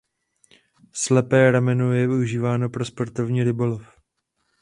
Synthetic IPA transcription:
slɛpɛːɾamɛnojɛvɪuʒiːvaːno̞pɾospoɾt̪ovɲiːɾɪbolof

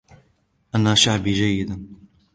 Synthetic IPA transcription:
ʔanaːʃaʕbiːʒajːɪd̪an

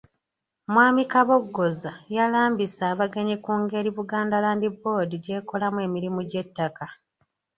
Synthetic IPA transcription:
mwaːmikaβo̞ɡːo̞zajalaːmbisaːβaɡeɲekuːŋɡe̞ɾiβuɡaːndalaːndibo̞diɟe̞ːko̞lamwe̞ːmiɾimuɟe̞tːaka

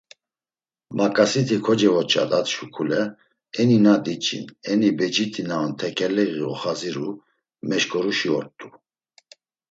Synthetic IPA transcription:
makʼasit̪ʰikʰɔd͡ʒɛvɔt͡ʃʼa̰t̪ʼat̪ʃukʰulɛ | ɛninad̪it͡ʃʼḭnɛnibɛd͡ʒit̪ʰʼinaɔnt̪ʰɛkʰʼɛlɛɣiɔχaziɾu | mɛʃkʰʼɔɾuʃiɔ̰ɾt̪ʼu

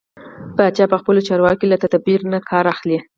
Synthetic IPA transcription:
bɑt͡ʃjɑpəxpəlot͡ʃɑɾwɑkelat̪ad̪abiɾnakʰɑɾaxle

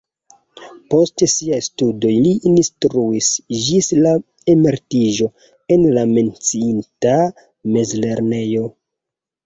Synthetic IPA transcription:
po̞stesiajstudo̞jliːnstɾuisd͡ʒisla | emeɾtiʒo̞ | e̞nlame̞nt͡siinta | me̞zle̞ɾne̞jo̞

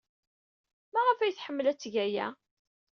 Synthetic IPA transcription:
mæʁəfæjəθħəmːəlæt͡sːʝæjæ̰

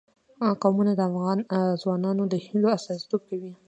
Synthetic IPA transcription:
qɑmunad̪əafɣɑnzwɑnɑnod̪əhiloasɑsi̥t̪ob̚kawi

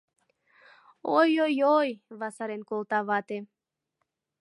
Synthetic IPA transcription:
ojojojvasaɾenkolˠt̪avat̪e

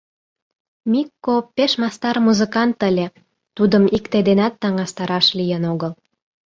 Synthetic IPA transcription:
mikːopeʃmɑst̪ɑrmuzəkɑnt̪əlʲe | t̪ud̪əmikt̪ed̪enæt̪ːɑŋɑst̪ɑɾɑʃlijənoɣəl

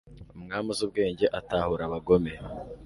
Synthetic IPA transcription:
umŋaːmuzub̚ɡe̞ːɲɟeʔataːhuɾaβaɡo̞me̞

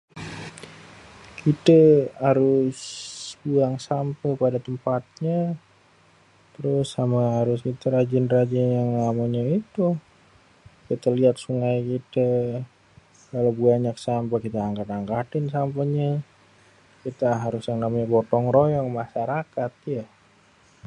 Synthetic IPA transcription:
kit̪əhaɾʊsbuaŋsampəpadat̪əmpat̪̚ɲa | t̪əɾʊsamaɦaɾʊskit̪əɾad͡ʒɪnrad͡ʒɪnjaŋamaɲait̪u | kit̪əliat̪̚suŋajkit̪ə | kalobuaɲaksampəkit̪aaŋkat̪aŋkat̪ɪnsampəɲa | kit̪aɦaɾʊsaŋɡamabɔt̪ɔŋrojɔŋmaʃaɾakat̪̚ja

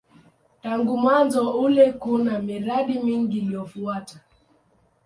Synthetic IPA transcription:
taŋɡumwanzɔulɛkunamiɾaɗimiŋɡilijɔfuata

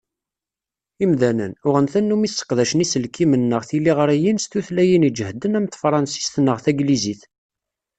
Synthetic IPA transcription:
imðænənʊʁənθænːumisːə̥qðæʃənisəlkːimənːəʁθilːiʁəɾæjinst̪uθlæjinid͡ʒəhd̪ənæmθfɾˤɑnsi̥st̪nːəʁθæɡliziθ

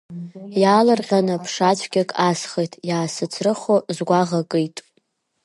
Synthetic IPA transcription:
jaːlɨrʁʲanɨpʰʂat͡ʃʷʰɡʲakʼasχejtʰʼjaːsɨt͡sʰrɨχozɡʷaʁakʼɨjtʼ

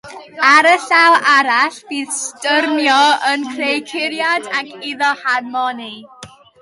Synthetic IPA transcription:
aɾəɬawʔaɾaɬviːðstərmjɔənkʰrejkʰɪɾjadakʰiðɔharmɔni

